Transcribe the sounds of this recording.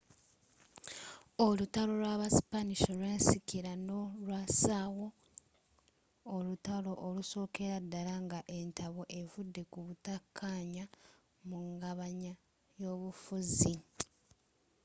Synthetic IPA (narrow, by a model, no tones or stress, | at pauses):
olutalo̞lwaːβasi̥paniʃo̞lwe̞ːnsikiɾanolwasaːwo̞ | lutalo̞ʔːluso̞ːke̞ɾadːalaŋɡaʔe̞ntaβo̞ʔe̞vudːe̞kuβutakʰːaːɲa | muŋɡaβaɲa | jo̞ːβufuzi